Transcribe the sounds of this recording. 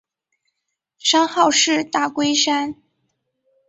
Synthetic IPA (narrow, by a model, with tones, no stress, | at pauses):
ʂɑ˥ŋxɑ˥˧ʊʂɻ̩˥˧t̪a˥˩kwe˥ɪʂa˥n